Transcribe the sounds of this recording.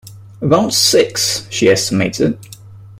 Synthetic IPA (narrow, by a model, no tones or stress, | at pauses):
əbãʊ̃ntsɪksʃiɛstɪmeɪtʰɪ̰d̥̚